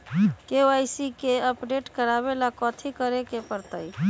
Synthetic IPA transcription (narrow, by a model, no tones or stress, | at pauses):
keajsikeəpɖeʈkəɾaβelakɔt̪ʰikəɾekepəɾt̪əj